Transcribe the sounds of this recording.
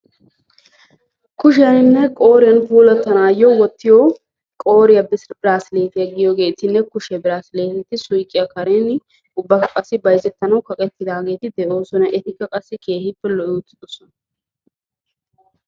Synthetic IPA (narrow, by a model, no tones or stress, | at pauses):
kʊʃɛjɐnɪnːɛkʼo̞ːɾɪjɐnfuːlɐt̪ːɐnaːjːɔwɔt̪ːɪjɔ | kʼo̞ːɾɪjɐbɪsbɪɾaːsɪleːt̪ɪjɐɡɪjoɡe̞ːt̪ɪnːɛkʊʃɛbɪɾaːsɪleːt̪ɪt̪ːɪsʊjkʼːɪjɐkɐɾenɪ | ʊbːɐkɐkʼɐsːɪbɐjzɛt̪ːɐnɐwkɐkʼɛt̪ːɪd̪aːɡe̞ːt̪ɪd̪ɛʔo̞ːsɔnɐʔɛt̪ɪkːɐkʼɐsːɪke̞ːhɪpːɛlɔʔɪʊt̪ːɪd̪ɔsɔnɐ